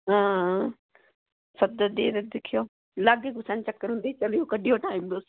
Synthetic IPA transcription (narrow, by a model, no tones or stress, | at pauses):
ɦãː | sɐd̪əd̪eːɾɪd̪ɪkʰijoː | laɡekɡʱʊsãːnt͡ɕɐkːəɾɦʊ̃nd̪it͡ʃɐlijokɐɗʱijoʈaːĩmd̪oːs